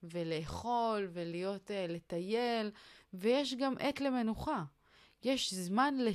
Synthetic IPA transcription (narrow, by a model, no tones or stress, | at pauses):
vele̞ːχo̞lvelijo̞tele̞t̪ajelvejeʃɡamʔet̪le̞me̞nuχa | jeʃzmanle